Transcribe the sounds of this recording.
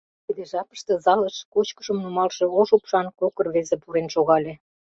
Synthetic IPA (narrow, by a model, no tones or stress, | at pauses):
k̪əd̪eʒɑpə̥ʃt̪ɤ̆zɑləʃkot͡ɕkəʒə̆mnumɑlʃĕoʃupʃɑnkokə̆rβezĕpuɾenʃoɣɑlʲe